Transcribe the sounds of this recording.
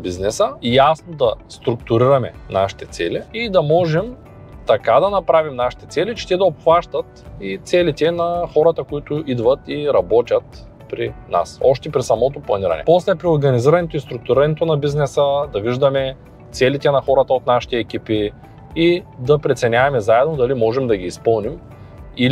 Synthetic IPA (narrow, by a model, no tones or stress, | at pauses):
biznɛsəjasnod̪ɐst̪ɾʊk̚t̪ʊɾiɾɐmɛna̰ʃi̥t̪ɛt̪sɛ̰liid̪ɐmɔʒɛm | t̪ɐkad̪ɐnɐpɾavimnaʃi̥t̪ɛt̪sɛlit͡ʃɛ̥t̪ɛd̪ɐopxvaʃt̪ɐt̪it̪sɛlit̪ɛnɐxɔɾɐt̪ɐkoit̪ʊʔid̪vɐt̪iɾɐbɔt̪ʲɐt̪ | pɾina̰sɔʃt̪ɛpɾisɐmɔt̪oplˠɐniɾɐ̰nɛ̰pɔslɛpɾioɾɡɐniziɾɐnɛt̪oist̪ɾʊk̚t̪uʊɾiɾɐnɛt̪onɐbiznɛsəd̪ɐviʒd̪ɐmɛ | t̪sɛlit̪ɛnɐxɔɾɐt̪ɐot̪naʃi̥t̪ɛːkʲipi | id̪ɐpɾɛt̪sɛnʲavɐmɛzaɛd̪nod̪ɐlimɔʒɛmd̪ɐɡiːspɤlˠnim | il